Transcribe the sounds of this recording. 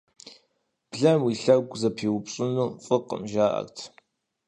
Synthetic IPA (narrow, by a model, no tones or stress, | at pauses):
b̥ɮɐmwiɬɐɡʷzɐpʰiːwʊpɕʼɪnuːfʼɨqʼə̰mʒaːʔɐ̰rtʰ